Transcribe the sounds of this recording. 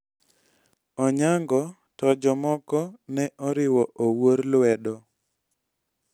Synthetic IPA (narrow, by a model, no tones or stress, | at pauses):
ɔɲaŋɡɔ | tɔd͡ʒɔmɔkɔnɛʔɔɾɪwɔʔowoɾlwɛdɔ